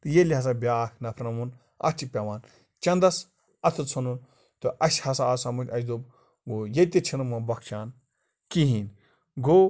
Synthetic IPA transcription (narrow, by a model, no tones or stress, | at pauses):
t̪ɨjelʲiɦɐs̬abʲaːkʰnɐpʰɾnɐmun | ɐ̰t͡ʃʰipʲɐʋaːn | t͡ʃɐnd̪ɐs | ɐt̪ʰɨt͡sʰunun | t̪ɨʔɐsʲhɐsaːsamut͡ʃʲɐsʲd̪ob | ɡojet̪ʲet͡ʃʰinɐmɐnbɐkʰt͡ʃʰaːn | kiɦiːn | ɡo